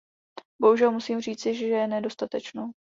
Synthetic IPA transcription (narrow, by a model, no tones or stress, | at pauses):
bo̞ɦuʒɛlmusiːmr̝iːt͡sɪʒɛʒɛɛnɛdo̞st̪at̪ɛt͡ʃnow